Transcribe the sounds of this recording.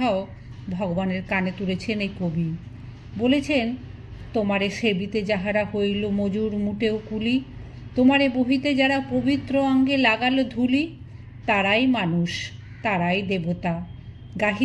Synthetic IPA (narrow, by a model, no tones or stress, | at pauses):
ao | bʱɔɡobaneɾkanet̪uɾet͡ɕʰenejkobi | bolet͡ɕʰen | t̪omaɾeʃebit̪ed͡ʑaɦaɾahojlomod͡ʑuɾmuʈeokuli | t̪omaɾeboɦit̪ed͡ʑaɾapobit̪ːɾoɔŋɡelaɡalod̪ʱuli | t̪aɾajmanuʃ | t̪aɾajd̪ebot̪a | ɡaɦi